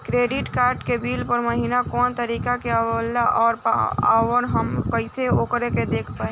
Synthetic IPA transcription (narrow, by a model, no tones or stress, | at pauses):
kɾeːɖiʈkaːɾʈkebiːlpəɾməɦiːnakɔːnt̪əɾiːkakealaʔɔːɾpa̰ːwənɦəmkəɪseoːkɾeked̪eːkʰpaɦ